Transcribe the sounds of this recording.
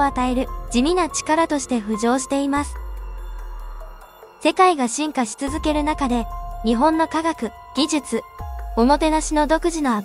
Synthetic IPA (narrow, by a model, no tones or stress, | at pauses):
at̪ae̞ɾɯ̟d͡ʑimʲinat͡ɕi̥kaɾat̪o̞ɕi̥t̪e̞ɸɯ̟ʑo̞ːɕi̥t̪e̞imasɨ̥ | se̞kaiɡaɕĩŋkaɕi̥t͡sɨzɨke̞ɾɯ̟nakad̪e̞ɲ̟iɦõ̞nːo̞kaɡakɯ̟ | ɡ̥ʲiʑɨt͡sɨo̞mo̞t̪e̞naɕino̞d̪o̞kɯ̟ʑino̞a